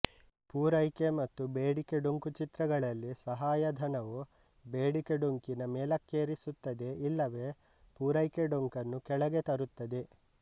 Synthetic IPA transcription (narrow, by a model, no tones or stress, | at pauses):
puːɾɐjkemɐt̪ːubeːɽike̞ɖuŋkut͡ʃit̪ɾɐɡɐɭɐlːisɐɦaːjɐd̪ʱɐnɐʋu | beːɽikeɖuŋkinɐmeːlɐkːeːɾisut̪ːɐd̪e̞ilːɐʋe̞ː | puːɾɐjkeɖuŋkɐnːukɛɭɐɡe̞t̪ɐɾut̪ːɐd̪e̞